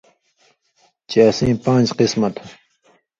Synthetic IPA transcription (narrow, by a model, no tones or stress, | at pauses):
t͡ɕaːsĩːpãːnd͡ʑqismɐt̪